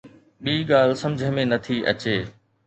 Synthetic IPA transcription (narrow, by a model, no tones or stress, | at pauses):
ɓiːɡaːl̤sɐ̃md͡ʑʱəmẽnɐt̪ʰiʔɐ̰t͡ɕeː